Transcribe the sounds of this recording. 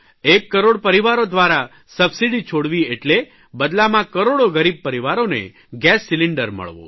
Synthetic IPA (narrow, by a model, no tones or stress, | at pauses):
ekːəɾoɽpəɾiʋaɾod̪ʋaɾa | səbsiɖit͡ʃʰoɽʋieʈle | bəd̪lamãkəɾoɽoɡəɾib̚pəɾiʋaɾonḛ | ɡɛsːiliɳɖəɾmə̰ɭʋo̰